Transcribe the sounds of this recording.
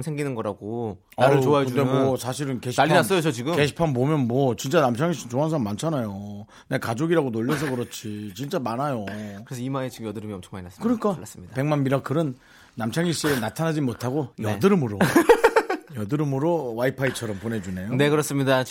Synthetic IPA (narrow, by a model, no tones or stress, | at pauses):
msʰeŋɡinɯnɡʌɾaɡo | aɾɯɭt͡ɕoaekɯndemwʌsʰaɕʰiɾɯnkeɕʰiaʎːinass͈ʌjot͡ɕot͡ɕiɡɯkkeɕʰi̥pʰanbomjʌnmwʌt͡ɕint͡ɕ͈anamt͡ɕʰaŋiɕ͈int͡ɕoɦans̬ʰʌmːant͡ɕʰanajo | ne̞kad͡ʑoɡiɾaɡonoʎːʌs̬ʰʌkɯɾʌt͡ɕʰit͡ɕint͡ɕ͈amanajoɯɾesʰʌimaet͡ɕiɡɯmjʌdɯɾɯmiʌmt͡ɕʰʌ̥ŋmainaskɯɾk͈aas͈ɯmɲidape̞ŋmanmiɾak͈ɯɾɯnː | amt͡ɕʰaŋiɕ͈ienatʰanad͡ʑimotʰaɡojʌdɯɾɯmɯɾo | jʌdɯɾɯmɯɾowaipʰait͡ɕʰʌɾʌmpone̞d͡ʑune̞jone̞kɯɾʌs͈ɯmɲida